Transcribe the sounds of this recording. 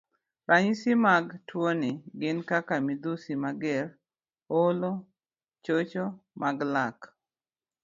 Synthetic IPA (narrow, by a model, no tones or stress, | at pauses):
raɲsimaɡtwonɪɡɪnkakamid̪usimaɡɛr | olo | t͡ʃot͡ʃomʔaɡlak